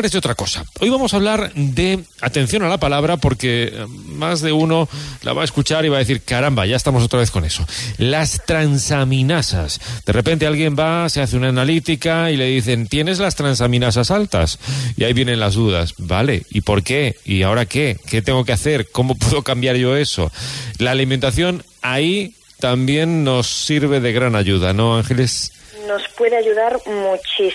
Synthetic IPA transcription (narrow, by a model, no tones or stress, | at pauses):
ɾezðeot̪ɾako̞sa̰o̞jβamo̞saβ̞laɾd̪e̞ | at̪e̞n̟θjo̞nalapalaβ̞ɾapo̞ɾke̞mazðe̞uno̞lʔa̰βaeskut͡ʃaɾiβaðeθiɾkaɾambaʝae̞st̪amo̞s̬o̞t̪ɾaβe̞θko̞ne̞so̞last̪ɾansamĩnasa̰sd̪e̞rʔepe̞nt̪e̞alɣje̞mbase̞aθeunaːnalit̪ikaile̞ðiθe̞nt̪je̞ne̞zlast̪ɾans̬amĩnasasalt̪a̰sḭaiβjenẽ̞nlazðuða̰sbale̞̰ipo̞ɾke̞iao̞ɾake̞ke̞t̪eŋɡo̞keaθe̞ɾko̞mo̞pweðo̞kambjaɾʝo̞e̞so̞̰laːliment̪aθjo̞n | ai | t̪ambje̞nːo̞sːiɾβ̞e̞ðe̞ɣɾanaʝuð̞ano̞aŋxe̞le̞sno̞spwe̞ðeaʝuðaɾmut͡ʃi